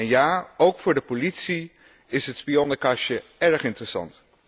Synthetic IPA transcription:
ɛnjaːowkfʊːɹdəpolitsi | ɪsɦətspiɔnəkɑʃəɛɹχɪntrəsɑ̰nt

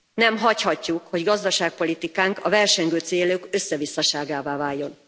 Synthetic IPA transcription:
nɛmɦɒchɒcːukho̞ɟɡɒzd̪ɒʃaːk̚po̞lit̪ikaːŋkɒvɛrʃɛŋɡøːt̪seːløkøsːɛvisːɒʃaːɡaːvaːvaːjːo̞n

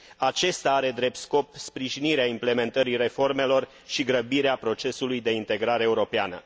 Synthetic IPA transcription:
at͡ʃe̞st̪aaɾe̞d̪ɾe̞p̚t̪sko̞pspɾiʒiniɾeaimple̞me̞nt̪əɾiɾe̞fo̞rme̞lo̞r | ʃiɡɾəbiɾeapɾo̞t͡ʃe̞sulujd̪e̞int̪e̞ɡɾaɾeːuɾo̞pea̰nə̰

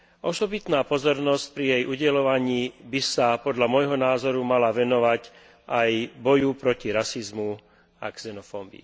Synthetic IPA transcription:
ʔɔsɔbit̪naːpɔzɔɾnɔsc̚pɾijɛjʔuɟɛlɔʋaɲiːbisapɔd̪ʎamɔjɦɔnaːzɔɾumalaʋɛnɔʋac | ʔajbɔjupɾɔciɾasizmu | a̰ksɛnɔfɔbḭː

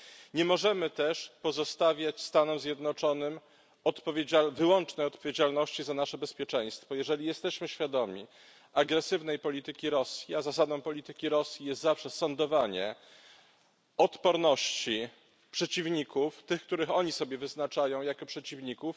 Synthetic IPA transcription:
ɲɛmɔʐɛmɘt̪ɛʂpɔzɔst̪avʲjat͡ɕst̪anumzʲjɛd̪nɔt͡ʂɔnɘm | ɔt̪pɔvʲeavɘwɔnt͡ʂnɛjɔt̪̚pɔvʲjed͡ʑalnɔɕt͡ɕizanaʂɛbɛspʲjɛt͡ʂɛj̃st̪fɔjɛʐɛlʲijɛst̪ɛɕmɘɕfʲjad̪ɔmʲḭ | aɡɾɛsɘvn̪ɛjpɔlʲit̪ɘkʲiɾɔsʲjiazasad̪ɔ̃w̃pɔlʲit̪ɘkʲiɾɔsʲjijɛst̪zafʂɛsɔnd̪ɔvaɲɛ̰ | ɔt̪pɔɾnɔɕt͡ɕi | pʂɛt͡ɕivɲikuft̪ɘxk̚t̪uɾɘxɔɲisɔbʲjɛvɘznat͡ʂajɔ̃w̃jakɔpʂɛt͡ɕivɲikuf

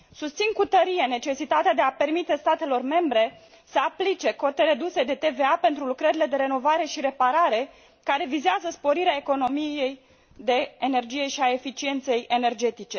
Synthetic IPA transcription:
sust̪sinkut̪əɾijene̞t͡ʃe̞sit̪at̪ead̪e̞ape̞rmit̪e̞st̪at̪e̞lo̞rme̞mbɾe̞ | səaplit͡ʃe̞ko̞t̪eɾe̞d̪use̞d̪e̞t̪e̞ve̞ape̞nt̪ɾulukɾəɾile̞d̪e̞ɾe̞no̞vaɾe̞ʃiɾe̞paɾaɾe̞ | kaɾe̞vizeazəspo̞ɾiɾeae̞ko̞no̞mijej | d̪e̞ːne̞rd͡ʒije̞ʃiaefit͡ʃie̞nt̪se̞je̞ne̞rd͡ʒe̞t̪it͡ʃe̞

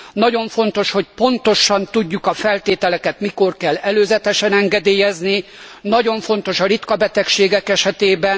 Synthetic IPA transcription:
nɒɟo̞ɱfo̞n̪t̪o̞ʃho̞c̚po̞nt̪o̞ʃɒnt̪uɟːukɒfɛlt̪eːt̪ɛlɛkɛt̪miko̞rkɛlːɛløːzɛt̪ɛʃɛnɛŋɡɛd̪eːjɛzninɒɟo̞ɱfo̞nt̪oʃɒɾit̪kɒbɛt̪ɛkʃeːɡɛkɛʃɛt̪eːbɛn

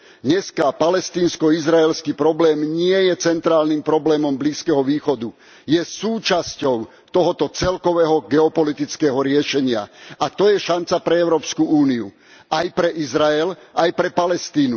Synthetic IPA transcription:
ɲɛskapalɛst̪iːnskɔizɾaɛlskipɾɔblɛːmɲɪɛjɛt͡sɛnt̪ɾaːlnimpɾɔblɛːmɔmbliːskɛɦɔʋiːxɔd̪u | jɛsuːt͡ʃascɔʊ | t̪ɔɦɔt̪ɔt͡sɛlkɔʋɛːɦɔɡɛɔpɔlit̪it͡skɛːɦɔɾɪɛʃɛɲɪa̰at̪ɔjɛʃant͡sapɾɛɛʊɾɔːpskuuːniṵ | ajpɾɛʔizɾaɛlajpɾɛpalɛst̪iːnu

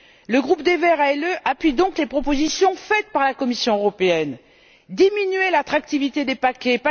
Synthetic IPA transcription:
ləɡʁupd̪evɛʁaɛløʔapɥid̪ɔ̃klepχɔpozisjɔ̃fɛt̪̚paʁlakɔmisjɔ̃øʁɔpeɛn | d̪iminɥelat̪χak̚t̪ivit̪ed̪epakʲɛpa

